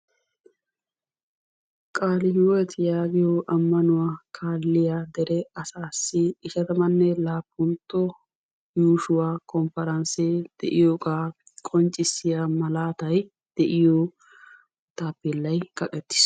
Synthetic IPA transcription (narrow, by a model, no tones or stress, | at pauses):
kʼaːlɪhɪwɔjɛt̪jaːɡɪjoʔɐmːɐnʊwaːkʰaːlːɪjaːd̪ɛɾɛɐsaːsːɪɪʃɐt̪ɐmɐnːɛlaːpːʊnt̪ːɔ | juːʃʊwaːkʰɔmpɐɾɐnsɛd̪̥ɛ̰ʔɪjoːkʼaː | kʼɔnt͡ʃʼːɪsːɪjamɐlaːt̪ɐj | d̪̥ɛʔɪjoː | t̪aːpːɛlːɐjkɐkʼɛt̪ːɪ̥s